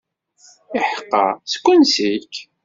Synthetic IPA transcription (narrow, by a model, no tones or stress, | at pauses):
ɪħəqːɑ̰skʷːʊnsik